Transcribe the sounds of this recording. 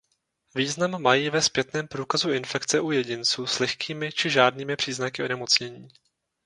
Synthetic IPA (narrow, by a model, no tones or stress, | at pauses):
viːznamːajiːvɛspjɛt̪nɛːmpɾuːkazuɪnfɛkt͡sɛʔujɛɟɪnt͡suːslɛxkʰiːmɪt͡ʃɪʒaːdniːmɪpr̝̥iːznakɪʔonɛmo̞t͡sɲɛɲiː